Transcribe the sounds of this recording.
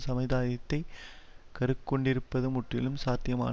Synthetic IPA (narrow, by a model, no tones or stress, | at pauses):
sɐmɐɪðaːjɐt̪ːɐɪkɐɾɯkːɔɳɖɪɾɯpːɐðɯmʊʈrɪlɯmsaːt̪ːɪjɐma̰ːn